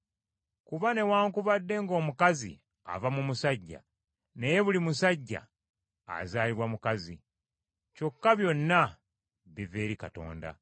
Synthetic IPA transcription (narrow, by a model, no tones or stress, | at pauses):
kuβane̞waːŋkuvadːe̞ŋɡo̞ːmukazḭ | a̰vamumusaɟːa̰ | ne̞je̞βulimusaɟːa̰ː | zaːliβwamukazḭ | co̞kːaβjo̞nːa | βive̞ːɾikato̞̰ːnda̰